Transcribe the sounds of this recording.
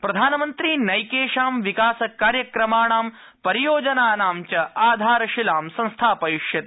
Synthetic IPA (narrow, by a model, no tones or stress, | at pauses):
pɾɐd̪ʱaːnɐmɐnt̪ɾinɐjkeːʃaːmʋikaːsɐkaːɾjɐkɾɐmaːɳaːm | pɐɾijoːd͡ʒɐnaːnaːmt͡ʃɐʔaːd̪ʱaːɾɐʃilaːmsɐ̃ŋ̃st̪ʰaːpɐjiʃjɐt̪e